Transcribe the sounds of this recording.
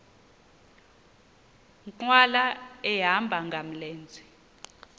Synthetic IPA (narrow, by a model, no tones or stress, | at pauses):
ǃwalaɛɦambʱaŋɡʱam̩leːnd͡zʱi